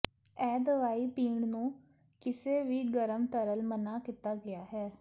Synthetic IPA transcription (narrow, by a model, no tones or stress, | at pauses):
ɛːd̪əʋaːiːpiːɳnũː | kɪseːʋiːɡəɾəmt̪əɾəlmənaːkɪt̪aːɡɪjaːɦɛː